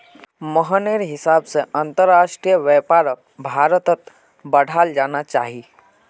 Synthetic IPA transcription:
məɦəneɾɦɪsabseʔənt̪əɾːaʃʈɾijəʋɛpaɾ | bʱaɾət̪ət̪ | bəɽ̤ʱald͡ʒaːnat͡ʃa̰ːɦi

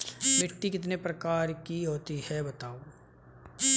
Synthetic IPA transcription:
mɪʈːikɪt̪nepɾɐkaːɾkiɦoːt̪ihɛbɐt̪aːo

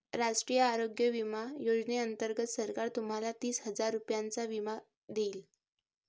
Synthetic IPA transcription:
ɾaʂʈɾijəaɾoɡjəʋimajod͡zneənt̪əɾɡət̪səɾkaɾt̪um̤alat̪iːsɦəd͡zaɾːupjant͡saʋima | d̪eːl

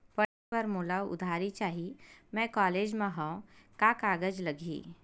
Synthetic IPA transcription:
pəibəɾmʊlawʊ̰d̪ʱaːɾit͡ʃaːɦimɛ̃kaːleːd͡ʒmẽɦõkakaːɡəd͡ʒləɡʱḭː

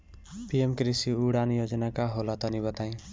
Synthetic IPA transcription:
piemkɾisiuɽanjod͡ʒnakaɦolat̪ʌniβʌt̪aĩ

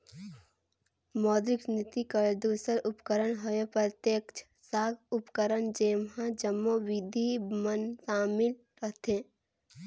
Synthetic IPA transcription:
mɔːd̪ɾɪksnɪt̪ikəɾd̪uːsəɾʊpkəɾəɳɦojopɾət̪jekt͡ʃʰ | saːɡʊpkəɾəɳd͡ʒeːmɦãd͡ʒəmːoʋid̪ʱimənsaːmɪl | ɾəɦt̪ʰẽ

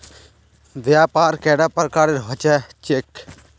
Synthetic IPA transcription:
ʋjaːpaːɾkɛːɽaːpɐɾkaːɾeɾɦɐt͡ʃɛt͡ʃek

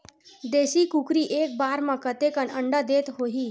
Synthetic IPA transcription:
d̪eɕiːkukɾiːʔek̚baɾmakət̪ekənəɳɖəd̪et̪ɦoɦiː

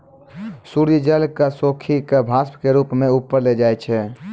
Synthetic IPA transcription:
suɾijd͡ʒəlkasokʰikebʱaspkeɾupmeupːəɾled͡ʒajt͡ʃʰɛ

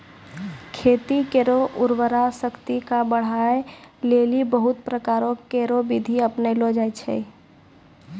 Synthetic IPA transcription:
kʰeːt̪ikeɾoʔʊɾwəɾasəkt̪ikabəɽ̤aeleːlibəɦʊt̪̚pɾəkaːɾõkeɾobid̪ʱiəpnelod͡ʒaet͡ʃʰɛ̰

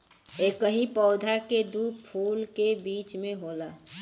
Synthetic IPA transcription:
eːkəɦĩpɔːd̪ʱaked̪uːpʰuːlkebiːt͡ʃmẽɦola

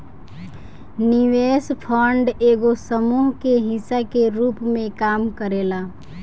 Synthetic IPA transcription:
niʋeːspʰɔːɳɖeːɡosəmuːɦkeɦɪsakeɾuːpmẽkaːmkəɾeːlaː

